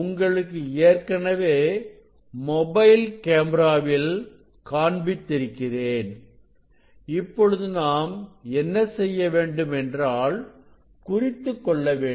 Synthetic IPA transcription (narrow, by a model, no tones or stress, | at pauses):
ʊŋɡɐɭɯkːɯeːrkɐnɐʋeː | mɔbɐɪlkeːmɾaːʋɪl | kaːɳbɪt̪ːɪɾɯkːɪreːn | ɪpːɔɻɯðɯnaːmɛnːɐsɛjːɐʋeːɳɖɯmɛndraːɭ | kʊrɪt̪ːɯkːɔɭːɐʋeː